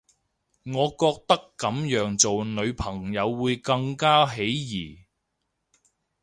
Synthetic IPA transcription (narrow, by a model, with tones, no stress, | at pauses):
ŋɔː˨˧kɔː˧k̚t̪ɐ˥kːɐ˨˥mjœː˨˧ŋt͡so˨wnɵ˨˧ɥpʰɐ˨˩ŋjɐ˨˧wːuː˨˧jkɐ˧ŋkaː˥ɦe˨˥jjiː˨˩